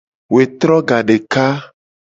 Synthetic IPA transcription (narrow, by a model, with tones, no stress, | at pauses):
we˨t̪ɾɔ˦ɡa˨ɖe˨ka˦